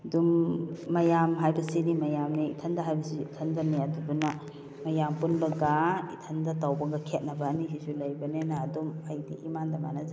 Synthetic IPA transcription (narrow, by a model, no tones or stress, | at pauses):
dumːɐjamɦajbɐsinimɐjamniḭtʰɐndɐɦajbɐsiːtʰɐndɐnajaduduna | mɐjampunbɐɡaitʰɐndɐtawbɐɡɐkʰet̚nɐbɐːnisisulɐjbɐnenaːdumɐjdiʔimandɐma̰naz